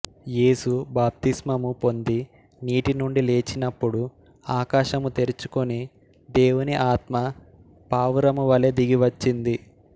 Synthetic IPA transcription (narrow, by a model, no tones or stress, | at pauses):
jeːsubaːp̚t̪ismɐmupo̞nd̪i | niːʈinuɳɖile̞ːt͡ʃinɐpːuɽu | aːkaːʃɐmut̪e̞ɾut͡ʃu̥koni | d̪e̞ːwuniʔaːt̪mɐ | paːʋuɾɐmuʋɐled̪iɡiʋɐt͡ʃːind̪i